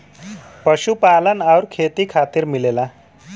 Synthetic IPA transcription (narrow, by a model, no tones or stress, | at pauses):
pəɕupalənawɾkʰet̪iːkʰat̪iːɾmilela